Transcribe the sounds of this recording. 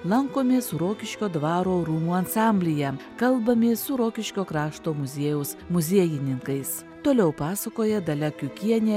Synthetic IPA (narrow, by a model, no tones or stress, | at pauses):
lˠɐŋkoːmʲeːsʊɾoːkʲɪʃʲkʲoːd̪ʋɑːɾoːɾuːmuːɐnsɑːmʲbʲlʲɪjɛkɐlˠbɐmʲeːsʊɾoːkʲɪʃʲkʲoːkɾɑːʃt̪oːmʊzʲeːjɛʊsmʊzʲiɛjɪnʲɪŋkɐɪs | t̪oːlʲɛʊpɑːsɐkoːjɛd̪ɐlʲɛkʲʊkʲiɛnʲeː